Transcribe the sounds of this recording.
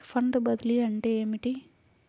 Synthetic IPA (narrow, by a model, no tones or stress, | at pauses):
pʰɐɳɖɨbɐd̪iliɐɳʈeːeːmiʈi